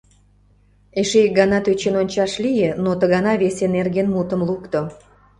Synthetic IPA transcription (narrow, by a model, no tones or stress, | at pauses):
eʃeɡɑnɑt̪øt͡ɕenonʲt͡ɕɑʃlijenot̪əɣɑnɑβesenerɡenmut̪ə̆mlukt̪o